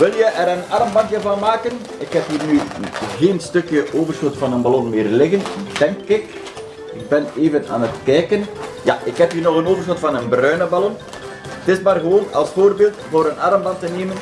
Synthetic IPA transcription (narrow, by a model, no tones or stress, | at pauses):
ʋɪlˠjəʔɛɾənɑrmbɑntjəvɑnmaːkən | ɪkɦɛpiːrnyːɣeːnstɵkjəʔoːvərsxotfɑnənbalɔnmeːrlɪɣənd̥ɛŋkɪk | ɪɡ̚bɛneːvəna̰ːnətkɛjkənja̰ʔɪkɦɛpiːnɔxənoːvərsxotfɑnənbrœɥnəbalɔn | ətɪsmaːrɣəʋoːnɑ̰lˠsfoːrbeːlˠtvoːɾənɑrmbɑntəneːmən